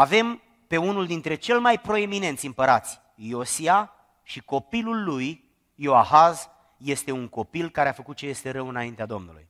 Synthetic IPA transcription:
ave̞m | pe̞unuld̪int̪ɾe̞t͡ʃe̞lmajpɾo̞e̞mine̞nt̪sʲimpəɾat̪sʲ | jo̞sia | ʃiko̞pilulːujː | oahaz | je̞st̪e̞uŋko̞pilkaɾeafəkut̪̚t͡ʃe̞je̞st̪e̞ɾəwɨnaint̪ead̪o̞mnulṵj

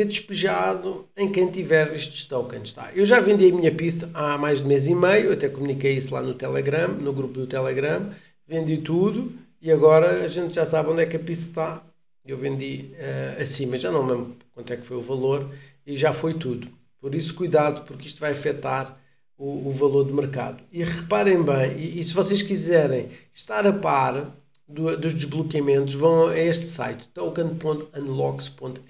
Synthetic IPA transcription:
seɾd̪ɨʃpɨʒaðuɐ̃j̃kɐ̃j̃t̪ivɛɾeʃt̪ʃt̪ɐwkɐ̃ʃt̪a̰ʔewʒavẽnd̪iɐmiɲɐpiʃt̪ɐʔamajʒd̪umezimɐjuɐt̪ɛkumunikɐjislˠa̰nut̪ɛlˠɛɣɾɐ̃mnuɣɾupud̪ut̪ɛlˠɛɣɾɐ̃m | vẽnd̪it̪uðu | iɐɣɔɾɐːʒẽnt̪ʒasaβõnd̪ɛkɐpiʃt̪ɐ̥t̪a | ewvẽnd̪iɛɐsĩmɐʒanɐ̃w̃memkwɐ̃nt̪wɛkfojuvɐlˠoɾ | iʒafojt̪uðu | pɔɾisu̥kujðaðupuɾkiʃt̪vajɐfɛt̪aɾ | uːvɐlˠoɾd̪ɨmɨɾka̰ðuiʁɨpaɾɐ̃j̃bɐ̃j̃iːsɨvɔseʃkizɛɾɐ̃j̃ʃt̪aɾɐpaɾ | d̪ud̪uʒd̪ɨʒβlˠukjɐmẽnt̪uʃvɐ̃w̃ɛeʃt̪sa̰jt̪t̪ɐwkɐ̃nd̪̚põnt̪ɐ̃nd̪lˠɔkspõnt̪

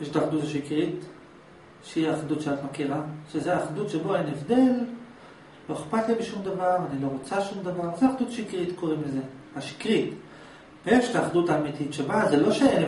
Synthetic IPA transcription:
jeʃtaːχd̪utaʃikʁit̪ | ʃeiaχdutʃeatmakiʁaʃezeaːχdut̪ʃebo̞enevd̪e̞l | lo̞eχpat̪libeʃumd̪avaʁanilo̞ʁot͡saʃumd̪avaʁzeaχd̪ut̪ḁʃikʁit̪ko̞ʁimleze̞ | aʃi̥kʁit̪ | b̥eefʃetaːχdut̪aːmit̪itʃebazelo̞ʃeen

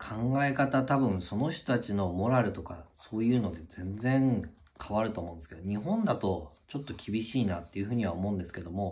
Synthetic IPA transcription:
kʰãŋɡae̞kat̪at̪abɯ̟̃ɰ̃so̞no̞çt̪ot̪at͡ɕino̞mo̞ɾaɾɯ̟t̪o̞kaso̞ːjɯ̟ːno̞d̪e̞zẽ̞nd͡zẽ̞ŋ | kʰaβaɾɯ̟t̪oːmõ̞nd̪eske̞d̪oɲ̟iɦõ̞nd̪at̪o̞ | t͡ɕo̞t̪ːo̞kʲibʲiɕiːnat̪ːe̞iɯ̟ɸɯ̟ːɲ̟iβ̞aomo̞ɯ̃nd̪e̞sɨ̥ke̞d̪o̞mo̞

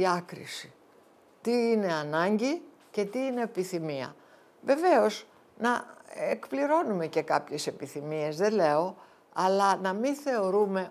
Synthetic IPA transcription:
ɐkɾḭsi̥ | t̪iine̞ɐnɐɲɟi | ce̞t̪iine̞ːpiθimiɐ̰ | ve̞ve̞o̞z | nɐekpliɾo̞nume̞ce̞kɐpçe̞se̞piθimie̞zðe̞le̞o̞ | ɐlɐnɐminθe̞o̞ɾume̞

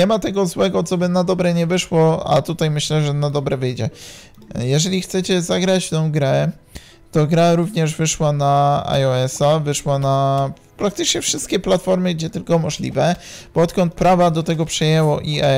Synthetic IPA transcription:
ɲɛmat̪ɛɡɔzwɛɡɔt̪sɔbɘnad̪ɔbɾɛɲɛvɘʂwɔa̰t̪ut̪ajmɘɕlɛʐɛnad̪ɔbɾɛvɘjd͡ʑɛ | jɛʐɛlʲixt̪sɛt͡ɕɛzaɡɾat͡ɕt̪ɔ̃w̃ɡɾɛ | t̪ɔɡɾaɾuvɲɛʐvɘʂwanaa̰jɔɛsavɘʂwana | pɾakt̪ɘt͡ʂɲɛfʂɘst̪̚kʲɛplat̪fɔɾmɘɡd͡ʑɛt̪ɘlkɔmɔʐlʲḭvɛb̥ɔɔt̪̚kɔnt̪̚pɾavad̪ɔt̪ɛɡɔpʂɛjɛwɔʔiɛ

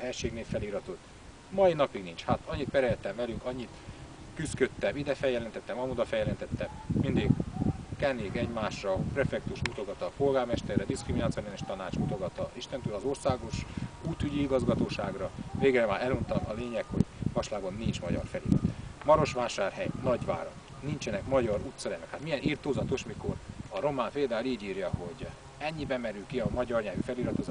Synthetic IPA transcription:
ɦɛjʃeːɡneːlfɛliːɾɒt̪o̞t̪ː | mɒinɒpiɡnint͡ʃhat̪ɒɲːit̪̚pɛɾɛlɛt̪ːɛmvɛlyŋkɒɲːit̪ | kyskø̞t̪ːɛmid̪ɛfɛjːɛlɛnt̪ɛt̪ːɛmɒmud̪ɒfɛjɛlɛnt̪ɛt̪ːɛmmind̪iɡkɛneːɡɛɟmaːʃrɒprɛfɛk̚t̪uʃut̪o̞ɡɒt̪ɒpo̞lɡaːrmɛʃt̪ɛrːɛd̪iskriminaːt̪sioneneʃt̪ɒnaːt͡ʃut̪o̞ɡɒt̪ɒʔiʃt̪ɛnt̪øːlɒzo̞rsaːɡo̞ʃuːt̪yɟiiɡɒzɡɒt̪oːʃaːɡrɒveːɡrɛmaːɾɛlunt̪ɒmɒ̰leːɲɛkho̞̰ɟvɒʃlaːɡo̞nːint͡ʃmɒɟɒ̰rfɛlḭɾɒ̰t̪mɒɾo̞ʃʋaːʃaːrhɛjnɒɟʋa̰ːɾo̰k | nint͡ʃɛnɛkmɒɟɒɾuːt̪sɛɾɛnɛkhat̪mijɛniːrt̪oːzɒt̪o̞ʃmiko̞rɒɾo̞maːmpeːld̪aːuliːɟiːrjɒho̞ɟ | ɛɲːibɛmɛɾylkiɒmɒɟɒrɲaːvyfɛliɾɒt̪o̞zaː

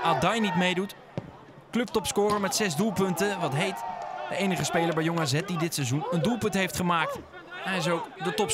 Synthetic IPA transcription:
adɑjnitmejdut | klɵp̚tɔpskʊːɾəɹmɛtsɛzdulˠpɵntəʋɑtɦejtd̥əejnəχəspejləɹbɛjoŋaːzɛt̚didɪtsɛzunəndulˠpɵntɦejftχəmaːk̚t | ɛjɪs̬owkdətɔp

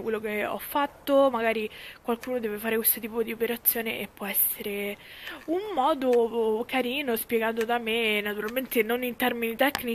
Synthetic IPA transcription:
kwelːokeɔ̰fːat̪ːomaɡaːɾikwalkuːnod̪ɛːvefaːɾekwest̪ot̪iːpod̪iopeɾat̪sːjoːneʔepːwɔɛsːeɾe | umːɔːd̪okaɾiːnospjeɡant̪od̪amenːat̪uɾalment̪enonint̪ɛrminit̪ɛkni

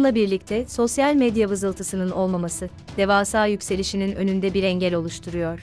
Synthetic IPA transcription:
nlˠabiɾlʲic̚t̪ʰɛso̞sjalʲmed̪javɯzɯlˠt̪ʰɯsɯnɯno̞lˠmamasɯ | d̪̥e̞vaːsaːjycse̞lʲiʃininø̞̰nynd̪ɛbiɾɛɲɟɛlʲo̞lˠuʃt̪ʰuɾujo̞ɾ̝̥

